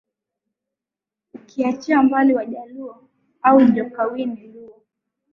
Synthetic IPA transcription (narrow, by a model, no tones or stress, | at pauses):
ukʰiat͡ʃiambaliwaʄalua | auʄɔkawiniluɔ